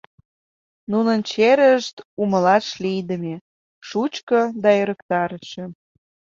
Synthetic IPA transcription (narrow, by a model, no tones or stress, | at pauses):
nunənt͡ɕeɾəʃt̪umə̆lɑʃlijd̪əme | ʃut͡ɕkɤd̪ɑøɾəkt̪ɑɾəʃe